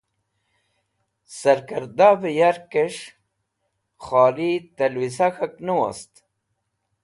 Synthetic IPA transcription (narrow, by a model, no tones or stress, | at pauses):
sɐɾkɐɾd̪abejaɾkeʂ | xɑːlit̪ɐlwisaxɐknuwa̰st̪